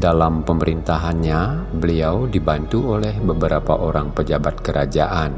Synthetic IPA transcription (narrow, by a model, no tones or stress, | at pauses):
dalampəməɾint̪aɦanɲabəliawdibant̪uolɛhbəbəɾapa̰ʔoɾaŋpəd͡ʒabat̪̚kəɾad͡ʒaʔan